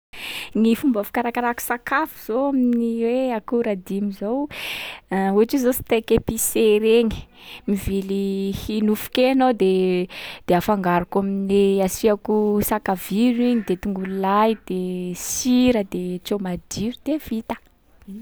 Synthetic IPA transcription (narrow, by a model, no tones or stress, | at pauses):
nifumbafi̥kaɾakaɾaku̥sakafuz̥oaminnniweakuɾad̪imizow | uaʈ͡ʂizosi̥t̪ekepiseɾeɲi̥mivilihinufu̥kenod̪ed̪̥eafaŋɡaɾakamineasiakusakaviɾiɲid̪et̪uŋɡululajd̪̥esiɾəd̪et͡ʃomad̪iɾud̪evit̪ə̥